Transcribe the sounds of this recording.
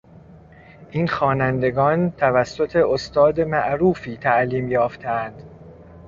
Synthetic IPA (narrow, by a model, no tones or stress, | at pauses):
ʔiːnxɒːnænd̪e̞ɡɒːnt̪ʰævæsːo̞t̪ʰe̞ʔost̪ɒːd̪emæʔɾuːfiːt̪ʰæʔliːmjɒːft̪ʰeænd̪̥